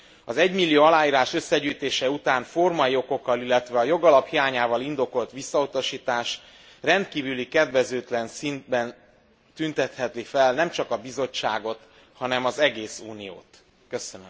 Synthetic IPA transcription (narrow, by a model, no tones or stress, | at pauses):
ɒzɛɟmilːijoːɒlaːjiːɾaːʃø̞sːɛɟyjt̪eːʃɛut̪aːnfo̞rmɒio̞ko̞kːɒlilːɛt̪ʋɛɒjo̞ɡɒlɒphijaːɲaːvɒlind̪o̞ko̞lt̪ʋisːɒut̪ɒʃiːt̪aːʃ | rɛnt̪kiːvylikɛd̪vɛzøːt̪lɛnsind̪̚bɛn | t̪ynt̪ɛt̪hɛt̪lifɛlnɛmt͡ʃɒkɒbizo̞t͡ʃːaːɡo̞t̪ | hɒnɛmɒzɛɡeːsuːnijo̰ːt̪ | køsønøm